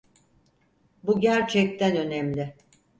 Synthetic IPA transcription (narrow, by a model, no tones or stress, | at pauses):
buɟæɾt͡ʃʰɛc̚t̪ʰɛnø̞nɛmlʲɪ